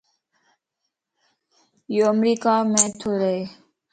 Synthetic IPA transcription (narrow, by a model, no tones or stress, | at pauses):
joːəmɾiːkaːmẽːt̪ʰoːɾəɦeː